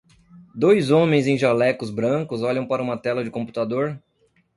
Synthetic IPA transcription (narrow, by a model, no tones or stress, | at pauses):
d̪ojzõmẽj̃zẽj̃ʒalɛkʊzbɾɐ̃kʊzɔʎɐ̃w̃paɾɐũmɐt̪ɛlɐd͡ʒɪkõmpu̥t̪ad̪oɾ